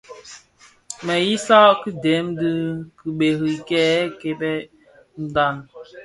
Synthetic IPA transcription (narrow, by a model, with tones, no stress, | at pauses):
mɛ˨ji˦sa˦ʔki˦dɛ˨˦mdɨ˦kɨ˨ɓe˨ɾi˨kɛː˦ke˨bɛ˦ | n̩˦da˦˨n